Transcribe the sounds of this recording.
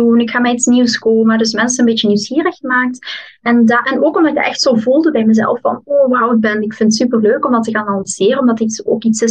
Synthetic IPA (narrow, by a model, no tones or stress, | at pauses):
unɪkxaːmɛjitsniwskoːmədɵs̬mɛnsənənbeːt͡ʃəniwsxiːrəxəmaːk̚t | ɛndaʔɛnoːkɔmdɑtɪɡtɛ̰xtsoːvulˠdəbɛjməzɛ̰lˠfːɑ̰noːwawd̚bɛnɪkfɪntsypərløːkɔmdɑtəkanɑnsɪːrəɔmdɑtiso̰ːkitsɪ